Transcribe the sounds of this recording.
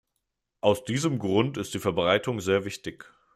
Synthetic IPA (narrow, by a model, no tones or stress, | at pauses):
ʔaʊsd̥iːzəmɡʁʊntɪstd̥iːfɛɐbʁaɪtʰʊŋzeːɐvɪçtɪç